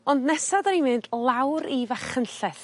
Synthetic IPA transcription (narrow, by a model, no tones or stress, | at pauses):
ɔndnɛsadənimɨndlˠawɾivaχənɬɛθ